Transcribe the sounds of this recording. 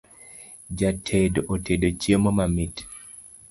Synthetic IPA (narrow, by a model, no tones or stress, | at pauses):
d͡ʒatʰedoʔotʰedot͡ʃjemomamit